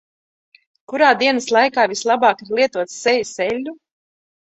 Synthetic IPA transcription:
kuɾaːd̪iɛnɐslˠajkaːvislˠabaːkiɾlˠiɛt̪uɔt̪sːɛjisɛlʲːu

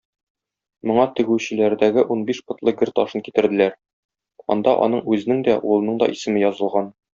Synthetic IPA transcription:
mŏɴɑt̪ɘ̆ɡʉɕɘ̆læɾd̪æɡɘʔunbiʃpŏt̪lˠɤɡɘɾt̪ɒʃɤnkit̪ɘ̆ɾd̪ɘ̆læɾ | ɒ̰nd̪ɑ̰ʔɒ̰nɤɴʉzɘ̆nɘŋd̪æʔulˠɤ̆nɤɴd̪ɒ̰ʔisɘ̆mɘjɒzɤ̆lˠʁɑn

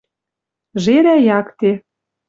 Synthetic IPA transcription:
ʒeɾæjɑkt̪e

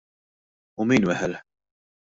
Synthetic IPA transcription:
ʊmiːnwɛħɛlħ

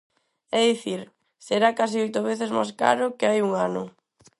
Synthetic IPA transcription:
ɛðiθiɾ | seɾakasiojt̪oβeθezma̰jska̰ɾʊkeajuŋanʊ̰

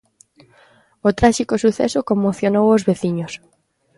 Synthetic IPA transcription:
ot̪ɾaʃikosuθɛsokomoθjonowozβeθiɲos

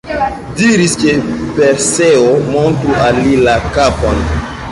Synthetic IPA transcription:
diɾiskepeɾseomontɾualːilakapon

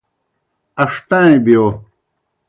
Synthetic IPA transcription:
ɐʂʈãːĩbjo

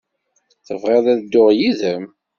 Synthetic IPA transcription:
θəvʁeðæðd̪ːʊʁjiðəm

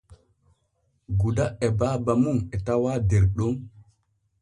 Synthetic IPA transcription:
ɡudaɛbaːbamuŋɛtawaːdɛɾɗɔm

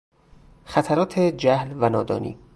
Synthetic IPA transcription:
xæt̪ʰæɾɒːt̪ʰed͡ʒæhlvænɒːd̪ɒ̰ːnḭː

